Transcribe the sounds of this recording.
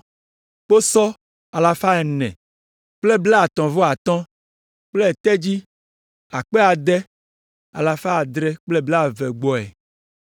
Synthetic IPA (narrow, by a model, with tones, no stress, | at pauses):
k͡po˦sɔ˦ | a˨la˨fa˦ɛ˨nɛ̰̃˨ | k͡ple˦bla˦a˨t̪ɔ̃˨vo˦a˨t̪ɔ̃˦ | k͡ple˦ɛ˨t̪ɛ˦d͡ʑi˦ | a˨k͡pɛ˦a˨d̪ɛ˦ | a̰˨la˨fa˦a˨d̪ɾɛ˦k͡ple˦bla˦˨vɛ˨ɡ͡bɔ˨ɛ̰˨